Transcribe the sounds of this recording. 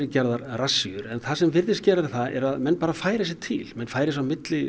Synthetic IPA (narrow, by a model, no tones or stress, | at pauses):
ɾɪcɛɾðaɾrasːiʏɾɛnθasɛmvɪɾðɪscɛːɾaðɪθaðʔɛ̰ɾaðmɛnːpaːɾafaːjɾɪs̬ɪt̪ʰɪ̰lmɛnːfaːjɾɪs̬awmɪt̪lɪ